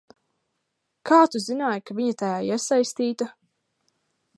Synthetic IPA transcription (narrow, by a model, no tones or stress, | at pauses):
kʰaːt̪uzinaːjkaviɲat̪ajaːiɛsajst̪iːt̪a